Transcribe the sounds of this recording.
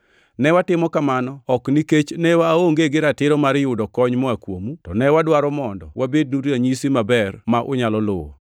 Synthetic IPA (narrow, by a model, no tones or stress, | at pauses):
nɛwatɪmɔkamanɔɔkniket͡ʃnɛwaoŋɡeɡɪɾatɪɾɔmaɾɪjʊdɔkɔɲmɔakwo̰mutɔnɛwadwaɾɔmɔndɔwʔabed̚nuɾaɲisimabɛrmaʔʊ̰ɲalɔlʊwɔ̰